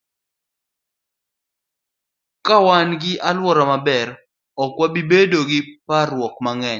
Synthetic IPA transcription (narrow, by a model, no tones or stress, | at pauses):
kawanɡɪʔalwɔɾɔmabɛɾ | ɔkwabibedoɡɪparwɔkmaŋɛɲ